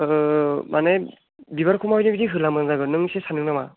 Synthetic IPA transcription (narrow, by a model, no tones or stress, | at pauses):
ɯmʔane | biβaɾkʰumawdebidiɦɯlamɯnzaɡɯnɯŋsesanɯŋnama